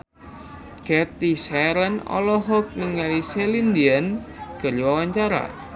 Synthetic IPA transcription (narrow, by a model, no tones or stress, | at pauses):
kɛt̪isɛɾənɔ̰lɔɦɔk̚niŋaliselind̪ianɡ̥ə̤ɾwawaɲt͡ʃaɾa̰